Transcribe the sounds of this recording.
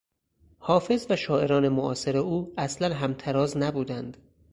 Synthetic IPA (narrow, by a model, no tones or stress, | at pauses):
hɒːfe̞zvæʃɒːʔe̞ɾɒːne̞moʔɒ̰ːseɾeuːæslænɦæmt̪ʰæɾɒːznæbuːd̪ænd̪̥